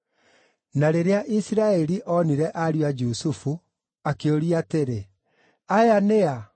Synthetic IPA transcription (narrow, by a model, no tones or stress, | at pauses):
naɾeɾeaʔisiɾaɛɾiʔɔniɾɛʔaɾjwad͡ʒusufu | akeoɾiateɾe | ajanea